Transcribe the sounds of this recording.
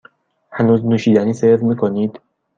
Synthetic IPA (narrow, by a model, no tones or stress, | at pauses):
hænuːznuːʃiːd̪æniːseɾmiːkʰoniːd̪̥